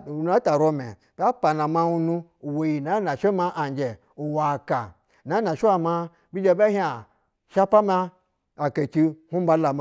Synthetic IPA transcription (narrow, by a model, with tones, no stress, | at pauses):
u˨n˦a˦ta˨ɾo˦me˨ | bʲa˦pa˨na˨ma˦u˦nu˦u˨we˨ji˨na˨˦na˨ʃe˦ma˦ʔa˨nd͡ʒe˨ | u˨wa˨ka˨ | na˨˦na˨ʃe˦a˨ma˦ | bi˦d͡ʒe˦ba˦ɦi˦a˨ | ʃa˦pa˦ma˦ | a˨ke˨ki˦hu˦ba˦la˨m˦